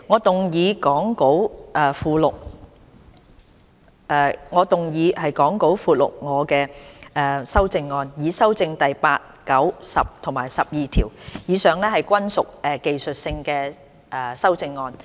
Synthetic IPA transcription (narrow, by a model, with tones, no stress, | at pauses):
ŋɔː˨˧t̪ʊ˨˩ŋjiː˨˧kɔː˨˥ŋko˨˥wʔɛː˨˩fuː˨˩lʊ˨k̚ | ɛː˧˩ŋɔː˨˧t̪ʊ˨ŋjiː˨˧hɐ˨jkɔː˨˥ŋko˨˥wfuː˨˧t̚lʊ̰˨k̚ŋɔː˨˧kɛː˧ʔɛ˨˧sɐ˥wt͡sɪ˧ŋːɔː˧njiː˨˧sɐ˥wt͡sɪ˧ŋt̪ɐ˨jpaː˧t̚kɐ˨˥wsɐ˨p̚t̪ʰʊ˨˩ŋmaː˨˩jsɐ˨p̚jiː˨t̪ʰiː˨˩wjiː˨˧sœː˨˩ŋlɛː˥hɐ˨jkʷɐ˥nsʊ˨k̚ɛ˨˧ke˨jsɵ˨t̚sɪ˧ŋkɛː˧ | ʔɛː˨˩sɐ˥wt͡sɪ˧ŋːɔː˧n